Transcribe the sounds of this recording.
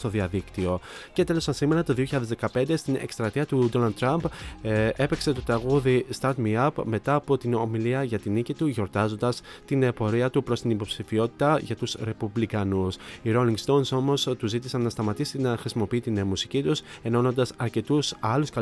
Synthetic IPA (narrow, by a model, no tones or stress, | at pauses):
t̪o̞ðiɐðikt̪io̞ce̞t̪e̞lo̞sɐnsime̞ɾɐt̪o̞ðio̞çiçɐðezðe̞kɐpe̞nd̪e̞st̪inḛkst̪ɾɐt̪iɐt̪ud̪o̞nɐld̪t̪ːɾɐmp | e̞pekse̞t̪o̞t̪ɾɐɣuðist̪ɐɾt̪miɐpme̞t̪ɐːpo̞t̪ino̞miliɐʝɐt̪inicit̪uʝo̞ɾt̪ɐzo̞nd̪ɐst̪inepo̞ɾiɐt̪upɾo̞st̪inipo̞psifio̞t̪it̪ɐʝɐt̪usɾe̞publikɐnusiɾo̞liŋɡst̪o̞nso̞mo̞st̪uzit̪isɐnːɐst̪ɐmɐt̪isinɐxɾisimo̞piit̪inmusi̥cit̪use̞nono̞nd̪ɐsɐɾce̞t̪usɐluskɐ